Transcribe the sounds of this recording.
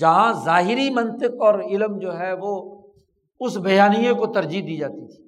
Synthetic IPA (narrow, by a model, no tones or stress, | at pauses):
d͡ʒɐɦãzaːɦɪɾimɐ̃nt̪ɪkɔːɾɪlmd͡ʒoːɦɛʋo | ʊsbʱɐjaːnijẽkot̪ɐɾd͡ʒid̪iːd͡ʒaːt̪it̪ʰi̥ː